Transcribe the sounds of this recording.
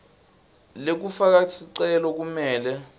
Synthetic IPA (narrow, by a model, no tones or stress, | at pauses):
lek̬ufak̬asiǀɛlɔk̬umɛːlɛ